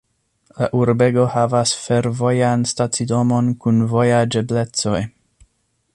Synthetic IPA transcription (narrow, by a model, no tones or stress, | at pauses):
laʔuɾbe̞ɡo̞havasfe̞ɾvo̞janstat͡sido̞mo̞nkunvo̞jad͡ʒe̞ble̞t͡so̞j